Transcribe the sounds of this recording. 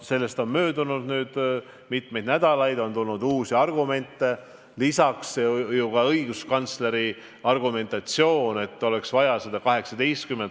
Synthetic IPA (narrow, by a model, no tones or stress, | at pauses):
se̞lːe̞st̪o̞nmøːd̪unud̪̥nyːd̪̥ | mit̪me̞jd̪næd̪̥ɑlɑjd̪o̞nt̪ulnud̪uːsiɑrɡume̞nt̪ˑːe̞ | lisɑksːejukɑɤiɡ̥uskɑnt̪sle̞ɾi | ɑrɡume̞nt̪ɑt̪sio̞ːne̞t̪ːˑo̞le̞ksvɑjɑsed̪̥ɑkɑɦe̞ksɑd̪ejst̪̚kymːent̪ˑ